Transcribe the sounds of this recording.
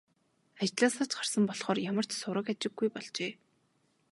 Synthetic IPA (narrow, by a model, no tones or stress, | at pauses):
at͡ɕt̪ɮaːsaːt͡ɕɢar̥sə̆mpɔɮχɔːrjamə̆r̥t͡ɕsʊɾə̆kat͡ɕɪ̆ɡːujpɔɮt͡ɕeː